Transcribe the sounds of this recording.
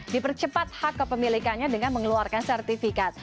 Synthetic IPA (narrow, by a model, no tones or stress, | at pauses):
dipərt͡ʃəpat̪̚hakːəpəmilikanɲadəŋanməŋluarkansɛrt̪ifikat̪̚